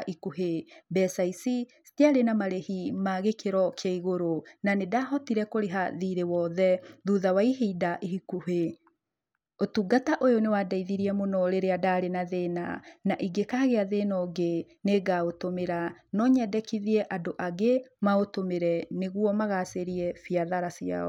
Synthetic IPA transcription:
ikuɦebɛsaisistiaɾenamaɾehimaɣekeɾɔkjaiɣoɾonanedaɦɔtiɾɛkoɾeɦaðiɾewɔðɛðuðawaiɦeidaʔeɦikuɦe | otuɡataʔojonewadaiðiɾiɛmonɔɾeɾeadaːɾenaðeːna̰naʔiɡekaɣeaðenɔɡe | neːɡaotomeɾanɔɲɛdɛkiðiɛʔadoʔaɡemaotomeɾɛneɣuɔmaɣaseɾiɛfiaðaɾasja̰ɔ̰

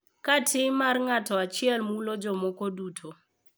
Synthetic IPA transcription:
katʰɪmarŋatɔat͡ʃɪɛlmulɔd͡ʒɔmɔkɔdutʰo

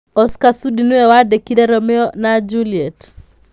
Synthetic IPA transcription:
ɔskasudinuɛwadekidɛɾɔmɛɔnad͡ʒuliet

